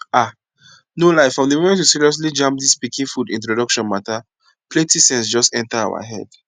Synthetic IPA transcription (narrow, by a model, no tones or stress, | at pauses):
a | nolaɪfɹɔ̃mðəmomɛ̃ntjusiɹiɔs̬lid͡ʒãmp̚ðispikĩnfudḭ̃ntɹodɔkʃɔ̃nmata | pʰletisɛ̃ns̬d͡ʒɔstɛ̃ntaa̰ʊwa̰ɦɛ̰d̥